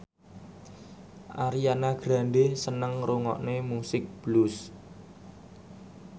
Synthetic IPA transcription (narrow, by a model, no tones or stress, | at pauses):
ʔaɾianaɡ̥ɾa̤nɖesənəŋruŋɔ̰ʔnemusɪk̚b̥lus